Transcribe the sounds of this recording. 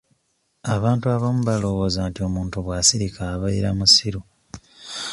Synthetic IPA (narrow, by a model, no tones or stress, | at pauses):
aβaːntuaβomuβalo̞βo̞ːzantio̞muːntuβwasiɾikʰaːβaiɾamusiɾu